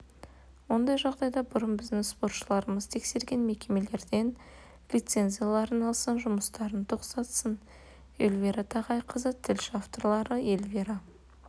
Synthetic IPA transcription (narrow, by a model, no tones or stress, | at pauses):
wo̞nd̪ɑjʒɑʁd̪ɑjd̪ɑbʊɾənbɪzd̪ɪŋspo̞rt̪ʃəlˠɑɾəməzt̪ʰe̞kse̞ɾɡʲe̞nme̞kʲe̞me̞le̞ɾd̪e̞n | lʲijt̪se̞nʲzʲijalˠɑɾənɑlˠsənʒʊməst̪ɑɾənt̪ʰo̞qsɑt̪sən | e̞lʲveɾat̪ʰɑʁɑjqʰəzət̪ʰɪlʃɪaft̪o̞ɾlˠɑɾəelveɾa